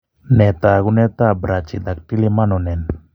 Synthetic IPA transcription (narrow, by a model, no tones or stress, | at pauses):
net̪aɡunet̪abɾat͡ʃid̪ak̚ʈilimanonen